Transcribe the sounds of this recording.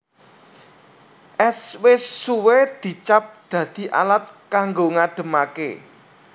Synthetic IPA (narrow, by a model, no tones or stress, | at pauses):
ʔɛswɪsːuwed̪̥i̤t͡ʃap̚d̪̥ä̤d̪̥i̤ʔa̰lat̪̚kaŋɡoŋaɖ̥ə̤makḛ